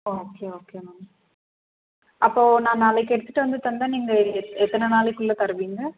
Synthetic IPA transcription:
ooːkeːoːkeːmɐŋɐ | ʔɐpːoːnãːnaːlɐkːɛɽɯt̪ːɯʈːɯʋɐnd̪ɯt̪ɐnd̪aniːŋɡɐɛt̪ːɐnɐnaːlɛkːɯɭːɐt̪ɐɾɯʋiːŋɡɐ

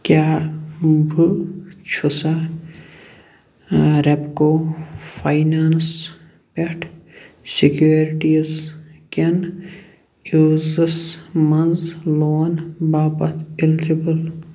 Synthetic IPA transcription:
kʲjaː | bʱut͡ʃʰusa | ɾɐpkoːfʰajnaːns | peʈʰ | sikjuːɾʈizkʲen | uːzɐsmɐnzloːnbaːpɐt̪ʰild͡ʒibɐl

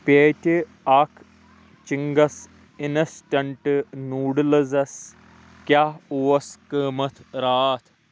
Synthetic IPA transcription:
peːtʲi | ɐkʰ | t͡ʃiŋɡɐs | inɐsʈɐɳʈɨnuːɽlɐzɐs | kjauɐskəːmɐt̪ʰɾaːt̪ʰ

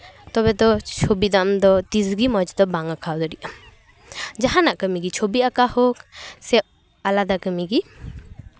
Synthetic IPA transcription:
t̪ɔbɛd̪ɔt͡ʃʰobid̪amd̪ɔt̪izɡimɔd͡ʒd̪ɔbaŋakʰawd̪ɔɾiʔam | d͡ʒaɦanaʔkəmiɡit͡ʃʰobiakahɔksɛʔ | alad̪akəmiɡi

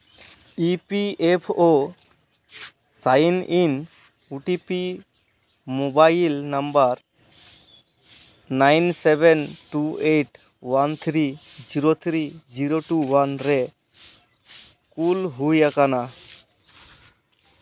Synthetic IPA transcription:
ipiepʰo | sajnin | uʈipi | mobailnambaɾ | najnsɛbɛnʈueʈ | want̪ʰɾid͡ʒiɾot̪ʰɾid͡ʒiɾoʈuwanɾɛ | kulɦujakana

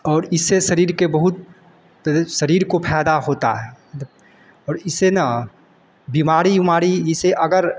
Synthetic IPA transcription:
ɔːɾɪsːeʃɐɾiːɾkebɐɦʊt̪̚ | ʃɐɾiːɾkopʰɛːd̪aɦoːt̪a̰ɦɛ | ɔːɾɪsena | bimaːɾiimaːɾiɪseʔɐɡəɾ

